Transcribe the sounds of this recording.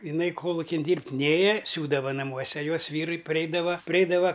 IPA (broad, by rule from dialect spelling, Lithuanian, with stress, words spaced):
ɪˈnɐɪ ˈkoːlˠʊkʲɪn ˈdʲiːrʲpʲtʲ ˈnʲeːjɛ ˈsʲuːdɐʋɐ nɐˈmuɔsʲɛ ˈjoːs ˈʋʲiːrʊɪ pɐˈrʲɛɪdɐʋɐ pʲrʲɪˈɛɪdɐʋɐ